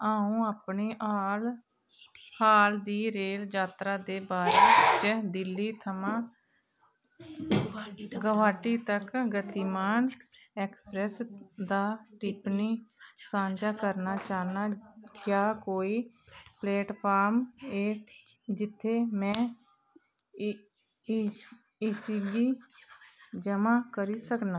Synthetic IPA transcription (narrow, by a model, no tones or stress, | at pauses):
aːũːaːpɳiːʔal | haːld̪iːɾeːld͡ʒaːt̪ɾaːd̪eːbaːɾeːd͡ʒəd̪ɪlːiːt̪ʰəmãː | ɡəʋaːʈiːt̪əkɡət̪iːmaːn | ɛːkspɾɛsd̪aːʈɪpnisãːɲd͡ʒakəɾnat͡ʃaːnakjaːkoːi | pleːʈpʰaːɾmeː | d͡ʒɪt̪ʰːemɛ̃ː | ɪsiɡi | d͡ʒəmakəɾisəknaː